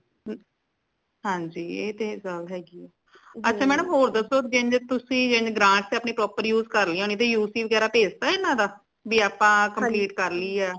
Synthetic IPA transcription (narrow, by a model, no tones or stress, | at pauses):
ɦãːɲd͡ʒiːeːt̪eːsəlɦɛːɡiːɛː | ətːʃʰaːmɛːnəmɦoːɾd̪əsoːd͡ʒẽɲd͡ʒt̪ʊsĩːd͡ʒẽɲd͡ʒɡɾãːɳʈt̪eaːpniːpɾɔːpəɾjuːzkəɾliːõːniːt̪̬eːjuːsiːʋəɡɛːɾaːpeːd͡ʒt̪aːenãːd̪aː | biːaːpãːkəmpliːʈkəɾliːɛː